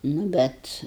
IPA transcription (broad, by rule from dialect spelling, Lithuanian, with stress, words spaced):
nʊ ˈbʲɛt